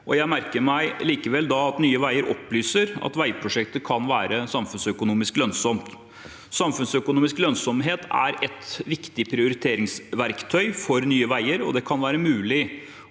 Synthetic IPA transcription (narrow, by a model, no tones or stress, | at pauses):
ʔɔjæɪmæɾkəɾmæɪliːkəʋɛld̪ɑɑt̪nyːəʋæɪəɾʔɔ̰pːlyːsəɾɑ̰t̪ʋæɪpʰɾʊʂɛkt̪əkʰɑnʋæːɾəsɑmfʉnsœkʊnuːmɪsklœnsɔmt̪ | sɑmfʉnsœkʊnuːmɪsklœnsɔmɦeːt̪ʰæ̰ɾɛt̪ʋɪkt̪ɪpʰɾɪʊɾɪt̪ʰeːɾɪŋsʋæɾkt̪ʰœʏfɔɾnyːəʋæɪəɾɔ̰d̪ɛkʰɑnʋæːɾəmʉːlɪ